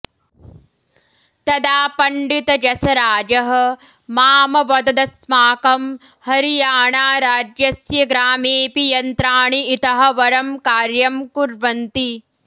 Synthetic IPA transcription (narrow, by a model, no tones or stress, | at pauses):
t̪ɐd̪aːpɐɳɖit̪ɐd͡ʒɐsɐɾaːd͡ʒɐɦɐ̆ | maːmɐʋɐd̪ɐd̪ɐsmaːkɐm | hɐɾijaːɳaːɾaːd͡ʒjɐsjɐɡɾaːmeːpijɐnt̪ɾaːɳiit̪ɐɦɐ̆ʋɐɾɐmkaːɾjɐmkuɾʋɐnt̪i